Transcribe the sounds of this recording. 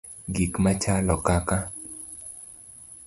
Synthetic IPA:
ɡikmat͡ʃalɔkaka

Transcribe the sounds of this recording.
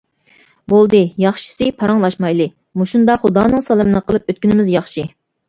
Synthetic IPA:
bolˠd̪ɨjɑχʃi̥sɨpʰɑɾɑŋlˠɑʃmɑjlˠɨ | muʃund̪ɑχud̪ɑːnɨŋsɑlˠmɨnɨqʰəlˠɨp̚øt̪kʲynɪmɪzjɑχʃi

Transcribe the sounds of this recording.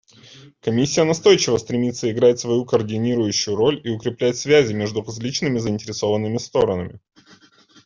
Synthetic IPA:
kɐmʲisʲːɪjənɐst̪o̞jt͡ɕɪvəst̪ɾʲɪmʲit̪sːəɪɡɾatʲsvɐjukəːrdʲɪnʲiɾʊjʉɕːʊjʊɾo̞lʲiʊkɾʲɪplʲæɪtʲsvʲæzʲɪmʲeʐd̪ʊɾɐzʲlʲit͡ɕnɨmʲɪzəɪnʲtʲɪɾʲɪso̞vənːɨmʲɪst̪o̞ɾənəmʲɪ

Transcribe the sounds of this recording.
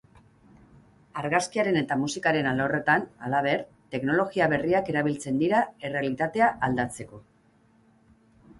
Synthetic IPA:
aɾɣaskiaɾe̞ne̞t̪amusikaɾe̞nalore̞t̪ana̰laβ̞e̞ɾ | t̪e̞kno̞lo̞ɣiaβe̞riake̞ɾaβilt͡se̞nd̪iɾae̞re̞alit̪at̪e̞aʔald̪at͡se̞ko̞

